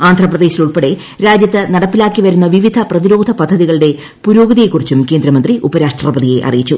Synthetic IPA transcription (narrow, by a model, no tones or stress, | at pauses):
aːnd̪ʱrɐprɐðe̞ːɕiluɭpeɽe̞ | ɾaːd͡ʑjɐt̪ːɨnɐɽɐpːilaːkːiʋɐɾunːɐʋiʋid̪ʱɐprɐðiɾo̞ːd̪ʱɐpɐd̪ʱːɐðiɣɐɭɨɽe̞ | puɾo̞ːɡðijekːurit͡ɕːumke̞ːnd̪ɾɐmɐnd̪riʔubɐɾaːʂʈrɐbɐðije̞ʔɐ̰rijit͡ɕːu